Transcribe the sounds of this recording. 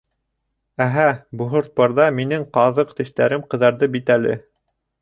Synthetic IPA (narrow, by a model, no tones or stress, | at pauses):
æɦæbuɦŏɾt̪̚pɑɾðɑminɘŋqɑðɤqt̪ɘ̆ʃt̪æɾɘmqɤ̆ðɑɾðɤbit̪ælɘ̰